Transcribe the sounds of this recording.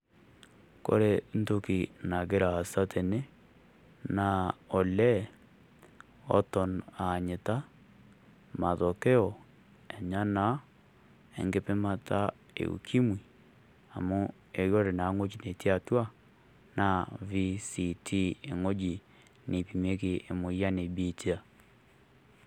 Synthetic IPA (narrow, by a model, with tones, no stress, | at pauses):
ko̰˦ɾe˦n̩˦to˦ki˨na˨ɡe˦ɾaː˨sa˦tʰe˨ne˦ | na˨o˨lɛ˦ | ɔ̰˦tɔ˨na˨ɲe˨ta˦ | ma˨ðo˨ke˦ɔ˨ | e˨ɲa˦na˦ | ḛ˨ŋɡe˦pɪ˦ma˦ta˦ | ḛ˨ṵ˨kʰi˦mwi˨ | a˨mʊ˦ | e˨jɔ˦ɾe˨na˨˦ŋo˦t͡ʃi˨ne˨ti˦a˨twa˦ | na˦˨vi˦si˨tʰi˦e˨ŋo˦d͡ʒi˨ | ne˨pi˨me˦kɪ˦˨ʔe˨mo˨ja˦ne˨bi˦ti˦a˨